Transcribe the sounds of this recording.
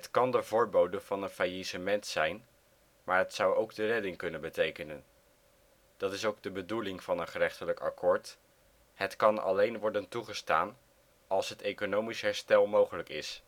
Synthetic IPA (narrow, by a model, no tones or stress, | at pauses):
ɦətkɑndəvʊːɹbowdənv̥ɑnənfajisəmɛntsɛjn | maːɹɦətsʌwowɡdərɛdɪŋkɵnənbətejkənən | d̥ɑtɪsowɡ̚dəbədulɪŋv̥ɑnənχərɛχtələkɑ̰kʰɔːɹt | ɦətkɑnɑ̰lejnʋɔɹdəntuχəsta̰ːn | ɑlˠsɦətejkonowmisɦɛɹstɛlˠmowχələkɪ̰s